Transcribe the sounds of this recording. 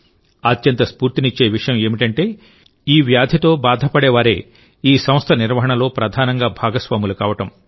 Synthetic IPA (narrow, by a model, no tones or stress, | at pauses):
ɐt̪jɐnt̪ɐspuːɾt̪init͡ʃːe̞ːʋiʂɐjɐme̞ːmiʈɐɳʈe̞ː | iːʋjaːd̪ʱjɐt̪o̞ːbaːd̪ʱɐpɐɽɛːʋaːɾe̞̰ː | iːsɐmst̪ʰɐniɾʋɐɦɐɳɐlo̞ːpɾɐd̪ʱaːnɐŋɡaːbʱaːɡɐsʋaːmulɐkaːʋɐʈɐm